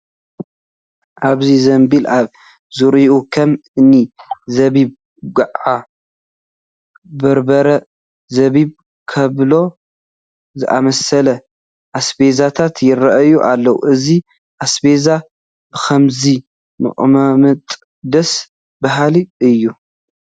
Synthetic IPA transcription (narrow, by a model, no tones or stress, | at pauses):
ʔaβzizɐmbilaβ | zuɾiʔukʰɐmɨnizɐβib | ɡɨʕʕa | bɐɾbɐɾɐ | zɐβiβ | kʰɐβlo̞ | zɨʔamɐsɐlɐ | ʔasbe̞zat̪ʰat̪ʰjɪɾɐʔɐjuʔalːɐwṵʔɨzi | ʔasbe̞za | b̥ɨxʰɐmzi | mɨ̰ʔʼmamɐt̪ʼ | d̪ɐs | baɦaliɨjːu